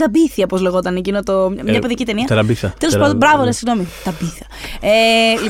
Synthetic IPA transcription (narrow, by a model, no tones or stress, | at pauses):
t̪ɐbiθiɐpozle̞ɣo̞t̪ɐnecinot̪omɲɐpeðicit̪e̞niɐt̪ɾɐbiθɐt̪elesɐndobɾɐvoesiɣno̞mit̪ɐbiθɐeli